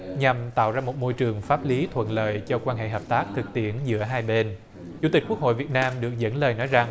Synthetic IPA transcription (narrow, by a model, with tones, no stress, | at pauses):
ɲa˨˩mt̪a̰ː˧˨wzaː˧mo˨˩t̚mo˧jt͡ɕɨ˨˩əŋfaː˦˥p̚li˨˦t̪ʰwə̰˧˨nlə̰ː˧˨jt͡ɕɔ˧kwaː˧nɦḛ˧˨ɦəː˨˩p̚t̪aː˦˥k̚t̪ʰɨ˨˩k̚t̪i˧˩ənzɨ̰˧˥əɦaː˧jɓe˧n | t͡ɕu˧˩˥t̪ï̟˨˩ku˦˥k̚ɦo̰˧˨jvi˨˩ət̚naː˧mɗɨ˨˩ək̚zə̰˧˥nləː˨˩jnɔ˨˦jza˨˩ŋ